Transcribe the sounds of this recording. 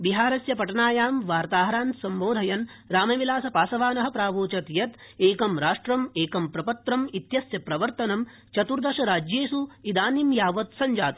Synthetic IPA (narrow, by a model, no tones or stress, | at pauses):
biɦaːɾɐsjɐpɐʈɐnaːjaːmʋaːɾt̪aːɦɐɾaːnsɐmboːd̪ʱɐjɐnɾaːmɐʋilaːsɐpaːsɐʋaːnɐɦɐpɾaːʋoːt͡ʃɐt̪jɐt̪eːkɐmɾaːʂʈɾɐmeːkɐmpɾɐpɐt̪ɾɐmit̪jɐsjɐpɾɐʋɐɾt̪ɐnɐm | t͡ʃɐt̪uɾd̪ɐʃɐɾaːd͡ʒjeːsuid̪aːnimjaːʋɐt̪sɐɲd͡ʒaːt̪